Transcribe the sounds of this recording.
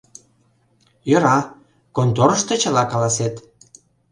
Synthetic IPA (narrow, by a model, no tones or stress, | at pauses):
jø̆ɾɑ | kont̪oɾə̆ʃt̪ĕt͡ɕə̆lɑkɑlɑset̪